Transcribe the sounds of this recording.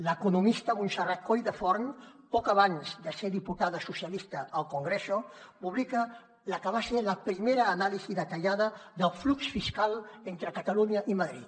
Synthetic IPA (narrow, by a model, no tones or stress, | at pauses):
ləkunumist̪əmunsarat̪̚kojðəfɔɾnpɔkaβ̞anzd̪əseðiput̪aðəsusialist̪əːlˠkuŋɡɾesopuβlikə | ləkəβaseləpɾimeɾəːnaliziðət̪aʎaðəðəlˠfluksfiskalˠent̪ɾəkat̪əluɲəʔimaðɾḭt̪